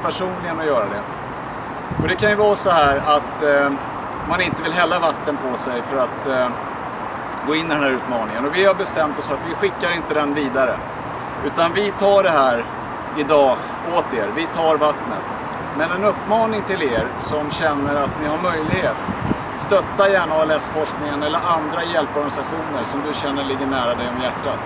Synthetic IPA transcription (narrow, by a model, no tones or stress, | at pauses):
pʰæʂuːnlɪɡənɔjœːɾad̪ɛ | ɔd̪ɛkʰanjɵvɑːɾasɔɦæːɾat̪ | manɪnt̪əvɪlɦɛlːavat̪ːənpʰɔsɛjfœɾat̪ | ɡoːɪnːɪd̪ɛnɦæːɾʉ̟ːt̪mɑːnɪŋənɔvɪhaɾbɛst̪ɛmt̪ɔsfœɾat̪vɪɧɪkːaɾɪnt̪əd̪ɛnviːd̪aɾə | ʉ̟ːt̪anvɪt̪ʰɑːɖɛɦæːɾ | ɪd̪ɑː | oːt̪eːɾvɪt̪ʰɑːɾvat̪nə̰t̪ | mɛnɛnɵpːmɑːnɪŋt̪ʰɪleːɾsɔmɕɛnːəɾat̪nɪɦaɾmœjlɪɡheːt̪ | st̪œt̪ːajæːɳaːɛlɛsfɔʂknɪŋənɛlːəɾʔand̪ɾajɛlpɔɾɡanɪsaɧuːnəɾsɔmd̪ɵɕɛnːəɭɪɡːəɳæːɾad̪ɛjɔmjæʈːat̪